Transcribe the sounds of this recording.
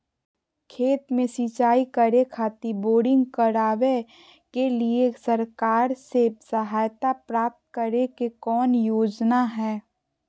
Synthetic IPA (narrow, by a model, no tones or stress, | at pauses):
kʰeːt̪mẽsit͡ʃaːikəɾekʰaːt̪iboːɖɪ̃ŋɡkəɾaːʋe | keliesəɾkaːɾsesəɦaːjt̪apɾaːp̚t̪kəɾekekɔːnjoːd͡ʒnaɦɛː